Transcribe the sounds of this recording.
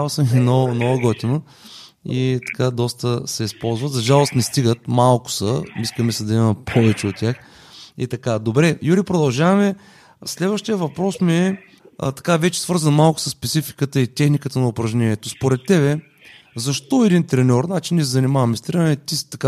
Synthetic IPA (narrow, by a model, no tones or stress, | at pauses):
asəmɛnonɔɡɔt̪ino | it̪ɐ̥kad̪ɔst̪əsɛispɔlˠzvət̪zɐʒalˠost̪nɛst̪iɡət̪malˠkʊ̥səiskəmɛsɛd̪ɐimɐpʰɔvɛt͡ʃɛot̪̚tʲax | ḭt̪ɐkad̪obɾɛjuɾipɾod̪ɐlˠʒavɐmɛ | slɛd̪vəʃt̪iəvɐpɾɔsmiɛ̰ | t̪ɐ̥kavɛt͡ʃɛ̥svɤɾzənmalˠkʊ̥səsːpɛt̪sifi̥kət̪əit̪ʲɛxnikət̪ənɐʊpɾɐʒnʲɛnʲiɛt̪ospoɾɛt̪ːɛβɛ | zɐʃt̪ɔɛd̪int̪ɾɛnʲɔɾnat͡ʃinʲiɛs̬ɛzɐnimavɐmɛst̪ɾɛnɔɾɛt̪it̪ɐka